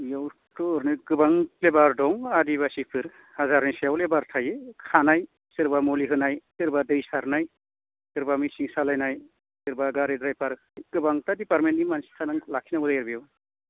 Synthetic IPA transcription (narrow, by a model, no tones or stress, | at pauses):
jaw | tuɾnɯɡɯbaŋlebaɾdɔŋadiβasipʰɯɾ | hazaɾnasjawlebaɾtʰajɯkʰanaj | sɯɾbamoliɦɯnajsɯɾbadɯjsaɾnaj | sɯɾbamisiŋsalajnaj | sɯɾbaɡaɾedɾajpaɾɯk̚ʰjɡ̥ɯbaŋtadipaɾmentimansi̥kʰanaŋlakʰinabɯzajeɾbijaw